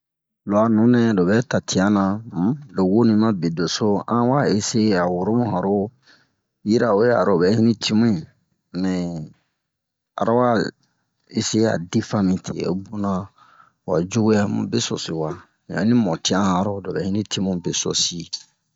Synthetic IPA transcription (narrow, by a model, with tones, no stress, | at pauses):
lɔ˨a˨nũ˨˦nɛ˦do˨bɛ˦ta˨tʰi˨ã˦nã˨˦do˨wo˦nĩ˨mã˦be˨do˨so˦ã̰˦wa˦e˦se˦a˨wo˨ɾo˦mũ˦ɦã˨ɾo˦ | ji˦ɾa˨o˦e˦a̰˨ɾo˨bɛ˦hi˦nĩ˦tʰi˦mũ˦i˨ | mɛ̃˨ | a̰˨ɾa˦wa˦ | e˦se˦a̰˨di˦fã˦mĩ˨tʰḛ˨o̰˨˦bo˦nã˦ | wa˨d͡ʒo˦ɡu˦ja˦mṵ̃˨bɛ˦sɔ̰˨si˨wã˨ | a̰˨˦ĩ˦mɔ˨ti˦ã˦a˨˦ɾo˦do˨bɛ˨hĩ˦nĩ˦ti˦mũ˦be˨sɔ̰˨si˦˨